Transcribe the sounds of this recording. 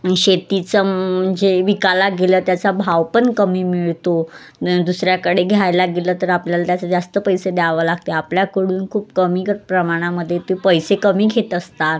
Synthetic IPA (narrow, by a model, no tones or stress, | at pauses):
ɕet̪it͡sə̤əɳd͡zeʋikalaɡeləːt̪jat͡sabʱaʋpənkəmiːmiɭt̪o | d̪usɾjakəɽeɡʱjajlaɡeləːt̪əɾapljalat̪jat͡sad͡zast̪əpəjsed̪aʋəlaɡ̚t̪eapljakəɽuːnkʰuːp̚kəmiːkəɾpɾəmaɽ̃aməd̪ʱːjet̪uipəjsekəmiːɡʱet̪əst̪a